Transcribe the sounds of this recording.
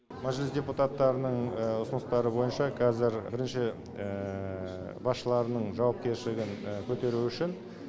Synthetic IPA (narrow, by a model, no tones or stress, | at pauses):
mæʒlɪsd̪ʲe̞put̪at̪ːɑɾənəɴʊsənəst̪ɑɾəbo̞jənʃɑqʰɑzɪɾbɪɾɪnʃɪ | bɑsʃəlˠɑɾənəɴʒɑwɑp̚kʲe̞ɾʃɪlɪɡʲɪŋkʲʰɵt̪e̞ɾuʏʃɪn